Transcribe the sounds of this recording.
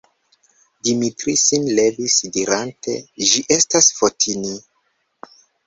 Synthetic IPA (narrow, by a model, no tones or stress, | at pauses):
dimitɾisinle̞visdiɾante̞̰ʒiʔe̞stasfotʰini